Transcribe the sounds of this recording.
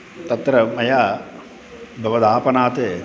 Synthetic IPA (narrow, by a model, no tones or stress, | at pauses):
t̪ɐt̪ɾɐmɐjaː | bʱɐʋɐd̪aːpɐnaːt̪eː